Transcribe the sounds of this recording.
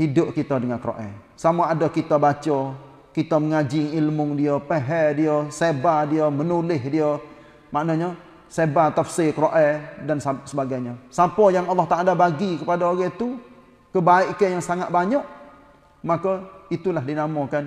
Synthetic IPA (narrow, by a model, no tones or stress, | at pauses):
hidʊp̚kit̪adəŋankəɾo̰ʔɛ̰ | samaadɔkit̪abat͡ʃɔ | kit̪aməŋad͡ʒɪŋilmʊŋdiɔpeɦɛdiəsebadiɔmənulɪhdiɔ | maʔnɔɲɔ | sebat̪afsekɾoʔɛdanssəbaɡajɲəsapɔjaŋɑlːɑht̪aʔalabaɡikəpadaoɡɛt̪u | kəbaɪʔkɛjaŋsaŋat̪̚baɲɔʔ | makɔit̪ulaɦdinamɔkan